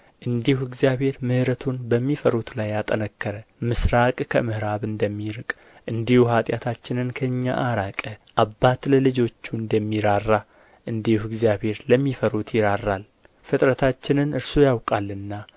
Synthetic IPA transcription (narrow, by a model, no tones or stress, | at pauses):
ʔɨnd̪ihuɪɡzjaβhe̞ɾmɨhɾət̪ʰunbəmːifəɾut̪lajːat̪ʼənəkːəɾəmɨsɾakʼkʰəmɨhɨɾaβɨnd̪əmːiɾɨkʼ | ʔɨnd̪ihuɦat̪ʼjat̪ʰat͡ʃːɪnɨnkʰəɨɲːa̰ʔaɾakʼəʔabːat̪ləlɨd͡ʒo̞t͡ʃːuɨnd̪əmːiɾarːa | ʔɨnd̪ihuɪɡzijaβhe̞ɾləmːifəɾut̪ʰjɪɾarːal | fɨt̪ʼɾət̪ʰat͡ʃːɪnɨnɨɾsujawkʼalːɨnːa